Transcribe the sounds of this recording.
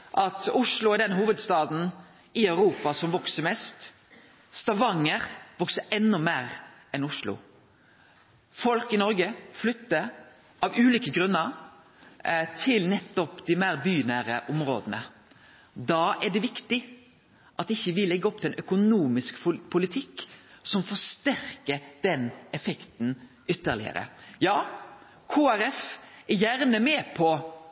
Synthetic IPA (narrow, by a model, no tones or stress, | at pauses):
ʔɑt̪ʊʂlʊɔd̪ɛnɦuːʋəd̪st̪ɑːd̪n̩ | ɪœʉɾuːpɑsɔmʋɔksəɾmɛst̪ | st̪ɑʋɑŋːəɾʋɔksəɛnːɔmeːɾɛnʊʂlʊ̰ | fɔlkɪnɔɾɡəflʏt̪ːəɾ | ɑʋʉːliːkəɡɾʉnːəɾ | t̪ʰɪlnɛt̪ːɔpd̪ɪmæːɾbyːnæːɾəʔʊmɾo̰ːd̪ənə | d̪ɑːɛɖɛʋɪkt̪ɪ | ʔɑt̪ɪçːəʋɪlːɛɡːəɔp̚ːt̪ɪlɛnœkʊnuːmɪskpʰʊlɪt̪ʰɪkːsɔmfɔʂt̪æɾkəd̪̥ɛnɛfɛkt̪n̩ | ʏt̪ːəɾlɪ̰ə̰ɾə̰jɑː | kʰuːæɾɛfɛɾjæɾnəmeːpʰɔ